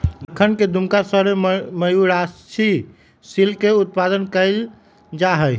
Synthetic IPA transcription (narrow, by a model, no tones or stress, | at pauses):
d̪əkʰːənked̪ʱumkasəɾeməjuɾast͡ʃʰi | silkeut̪̚pad̪ənkəɪl | d͡ʒaɦəj